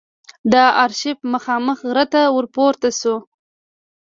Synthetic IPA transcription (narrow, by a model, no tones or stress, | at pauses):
d̪əaɾʃɪfməxɑməxɣɾət̪awəɾpoɾt̪asu